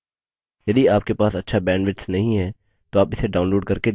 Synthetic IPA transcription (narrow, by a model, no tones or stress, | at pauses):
jɐd̪iaːp̚kepaːsɐtːʃʰabɛ̃ːɳɖʋɪʈsnɐɦĩɦɛː | t̪oaːpɪseɖaːʊ̃nloːɖ̚kɐɾke